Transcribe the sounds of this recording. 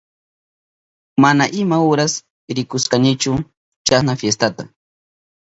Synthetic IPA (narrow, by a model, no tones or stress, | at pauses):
manaʔɪmaʊɾas | ɾɪkʊsqɑnɪt͡ʃʊ | t͡ʃasnafjes̬t̪at̪a